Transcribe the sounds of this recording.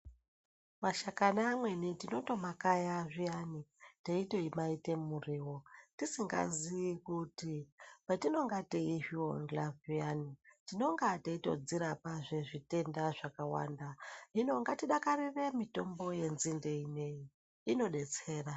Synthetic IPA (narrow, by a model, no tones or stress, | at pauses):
maʃakanamwe̞nitino̞to̞makajaʐijaniteito̞imaite̞muriwo̞tisiŋɡa̰ziikutipatino̞ŋɡateiɦioŋɡlavijanitino̞ŋɡateito̞̰d͡ziɾapaʐeʐite̞ndaʐakawa̰ndaino̞ŋɡatiɗakariʋe̞mito̞mbo̞je̞nzinde̞ine̞ji | ino̞ɗe̞t͡se̞ːra